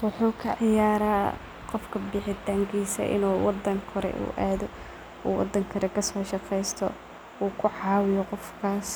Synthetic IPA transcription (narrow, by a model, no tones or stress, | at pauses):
wʊħuːkʰɐʕɪjaːɾaː | qɔfkʰɐbɪħɪt̪ʰaːŋkʰiːsɐ̰ʔɪ̰nuːwɑd̪ːɐŋkʰɔɾɛ̰ʔṵːʔaːðɔ | ṵːwɑ̰d̪ːɐŋkʰɐɾɛkʰɐsɔːʃɑqɛjst̪ʰɔ | uːkʰʊʕɑːwɪjɔqɔfkʰaːs